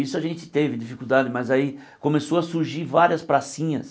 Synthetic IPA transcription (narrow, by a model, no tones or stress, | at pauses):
isʊaʒẽnt͡ʃɪ̥t̪evɪd͡ʒifikuwd̪ad͡ʒɪmɐzai | kõmesoɐsuɾʒiɾvaɾiɐspɾasĩɲɐs